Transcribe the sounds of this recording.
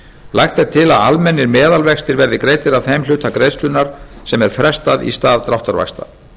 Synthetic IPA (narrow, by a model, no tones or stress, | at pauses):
lʔajxt̪ɛɾ̥t̪ʰɪlaða̰lmɛnːɪɾmɛːðalvɛxst̪ɪɾvɛɾðɪkɾeːjt̪ɪɾavθeml̥ʏːt̪akɾejst̪lʏnːaɾ̥sɛmɛɾ̥fɾɛst̪aðḭst̪aːðt̪ɾawht̪aɾva̰kst̪a̰